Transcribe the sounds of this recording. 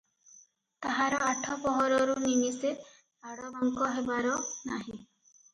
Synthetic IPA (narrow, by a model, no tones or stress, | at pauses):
t̪aɦaɾɔaʈʰɔpɔɦɔɾɔɾuniŋise | aɽɔbɔŋkɔɦebaɾɔnaɦĩ